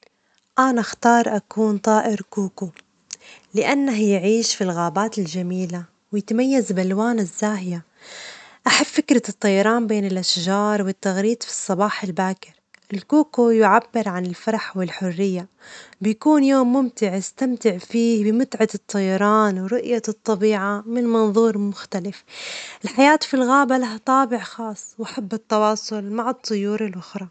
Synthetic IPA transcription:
ʔanaxt̪ɑːɾˤʔakuːnt̪ˤɑːʔɪɾkuːku | lɪʔanːaɦjɪʕiːʃfilɣaːbaːt̪ɪld͡ʒamiːla | wjɪt̪majːazbalwaːnɪzːaːɦja | ʔaħabfɪkɾɑt̪ˤːɑjɑɾˤɑːnbeːnɪlʔaʃʒɑːɾˤwɪt̪ːaɣɾiːd̪fi̥sˤːɑbɑːħɪlbaːkɪɾʔɪlkuːkojʊʕabːɪɾʕanɪlfɑɾˤɑħwɪlħʊrːɪjːabɪjakuːnjoːmːʊmt̪ɪʕɪst̪amt̪ɪʕfiːbɪmʊt̪ʕat̪ɨt̪ˤːɑjɑɾˤɑːnwɾʊʔjat̪ˤːɑbiːʕamɪnmɑnðˤuːɾˤmʊxt̪alɪfʔɪlħajaːt̪filɣaːbalaɦat̪ˤɑːbɪʕxɑːsˤwʔaħabːɨt̪ːɑwɑːsˤʊlmaʕɨt̪ˤːʊjuːɾɪlʔʊxɾˤɑ

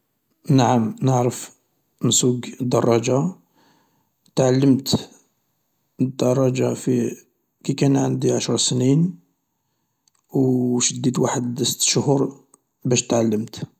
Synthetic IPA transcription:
naʕəmnəʕɾəf | nsuɡd̪ɑrˤːɑd͡ʒa | t̪ʕalːəmt̪ | d̪ːɑrˤːɑd͡ʒafi | kikænʕənd̪iʕaʃɾˤsnin | wʃəd̪ːit̪waħəd̪əsə̥t̪ːʃʊhuɾ | bæʃt̪ʕalːəmt̪

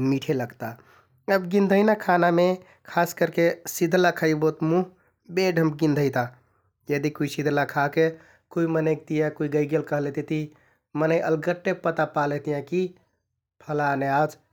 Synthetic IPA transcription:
miʈʰeləɡt̪a | əbɡĩnd̪ʱəjnakʰaname | kʰaskəɾkesid̪ʱlakʰəjbot̪muɦ | beɖʱəmbɡĩnd̪ʱəjt̪a | jəd̪ikuisid̪ʱlakʰake | koimənəjk̚t̪ijãkuiɡəjɡelkəɦlet̪et̪i | mənəjʔəlɡəʈːepət̪apalet̪ijãki | pʰəlanead͡ʒ

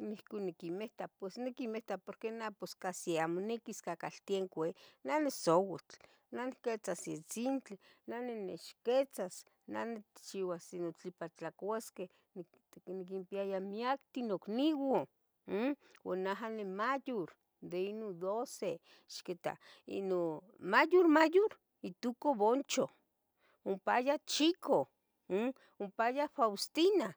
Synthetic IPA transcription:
nihkonikimeht̪apwesnikimeht̪apoɾkenaposkasiamonekiskakalt̪ieŋkʷenanesowet͡ɬ | naniket͡sasjet͡sint͡ɬinanenḛʃket͡sas | na̰net̪t͡ʃiwasinot͡ɬipat͡ɬakaske | n | nik̬impiajamiakt̪inokniwo | wa̰naɦanemajoɾ | d̪einod̪ose | ʃket̪a̰ | ḭno | majoɾmajoɾ | it̪ukoβont͡ʃo | ompajat͡ʃiko | ompajafawst̪ina

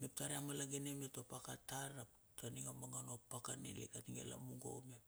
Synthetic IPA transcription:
mep̚taɾeamalaɡenemetopakataɾap̚ | taniŋamaŋanopakanḛlḛkatiŋḛla̰muŋɡo̰mep̚

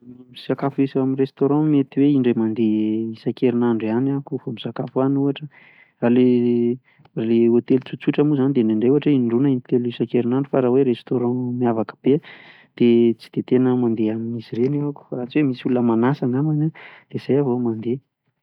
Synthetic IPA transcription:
anamiz̥akafuisaminrest̪oɾɑ̃met̪iweiɳɖ͡ʐemand̪eisakeɾinaɳɖ͡ʐanakufomizakafwanuaʈ͡ʂə | rale | raleot̪elut͡sut͡suʈ͡ʂəmuzanid̪eɳɖ͡ʐeɳɖ͡ʐeuaʈ͡ʂəiɳɖ͡ʐunəint̪elisakeɾinaɳɖ͡ʐufaɾaweɾest̪oɾɑ̃miavakə̥b̥e | d̪̥et͡si̥d̪̥et̪enəmand̪eaminisiɾenaku̥faɾat͡siwemisulunəmanasaŋamanad̪̥ez̥ajavomand̪e

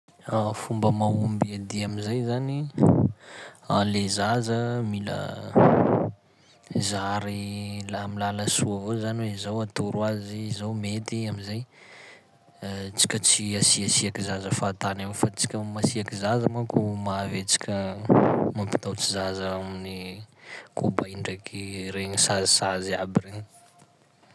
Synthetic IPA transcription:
afumbəmaumbiad̪iamizajzani | alezazəmilə̰ | zaɾilamilaləsuavozanweizawat̪uɾwaziːzawmet̪iamizaj | t͡si̥kʲət͡siasiasiakizazəfat̪anewfat͡si̥kʲəmasiakizazəmakumavet͡si̥kʲə | mampi̥t̪awt͡sizazaamini | kʰobaiɳɖ͡ʐakʰiɾeɲisazisaziabireŋ

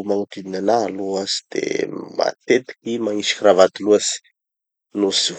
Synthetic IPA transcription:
maŋut̪ininanaːloazi̥d̪̥ḛma̰t̪et̪i̥kimaŋiʃi̥kiravat̪uluasi̥ | nusi

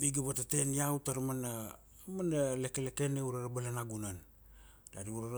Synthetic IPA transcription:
iɡaβatateniawtaɾamana | manalekelekeneuɾaɾabalanaɡunan | daɾiuɾa

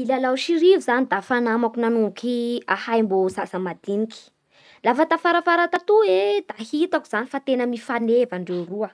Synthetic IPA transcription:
ilalaʃiɾivuzanid̪afanamakunanuukʰiahajmbozasamad̪inikʲi̥ | lafat̪afaɾafaɾat̪at̪ued̪ahit̪aku̥z̥anifat̪enəmifanevaɳɖ͡ʐewruə

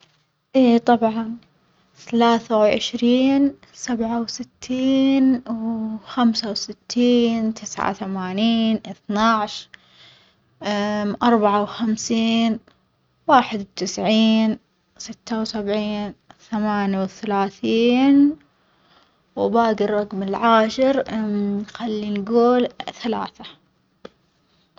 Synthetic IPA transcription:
ʔeːt̪ˤɑbʕɑn | θalaːθawʕɪ̰ʃɾiːn | sabʕawsɪt̪ʰːiːnwxamsawsɪt̪ʰːiːnt̪ʰɪsʕa̰θamaːniːnʔɪθnaʕʃ | mʔɑɾˤbaʕawxamsiːn | waːħɪd̪wt̪ɪsʕiːn | sɪt̪ːawsabʕiːnθamaːnjawθalaːθiːn | wbaːɡɪrˤːɑɡmɪlʕaːʃɪɾ | xalːinɡuːlθalaːθa

